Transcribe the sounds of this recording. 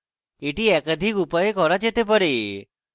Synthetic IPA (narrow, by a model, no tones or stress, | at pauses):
eʈiɛkəd̪ʱikupajekɔɾat͡ʃet̪ep̬əɾe